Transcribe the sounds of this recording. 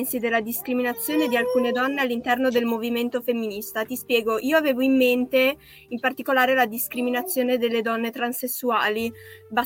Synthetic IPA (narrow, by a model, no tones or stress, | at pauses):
nsid̪elːad̪iskɾiminat̪sːjoːned̪ialkuːned̪ɔnːealːint̪ɛrnod̪elmoviment̪ofemːinist̪at̪ispjɛːɡoʔiːoaveːvoimːent̪e | impart̪ikolaːɾelad̪iskɾiminat̪sːjoːned̪elːed̪ɔnːet̪ɾansesːuaːliba